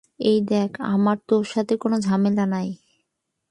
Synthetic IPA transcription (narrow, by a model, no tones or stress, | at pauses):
ejd̪ɛkʰa̰maɾt̪oʃat̪ʰekonod͡ʑʱamelanaj